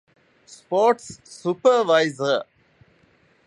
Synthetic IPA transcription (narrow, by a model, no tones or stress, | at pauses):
spɔːʈsːupɐɾʋaɪzɐ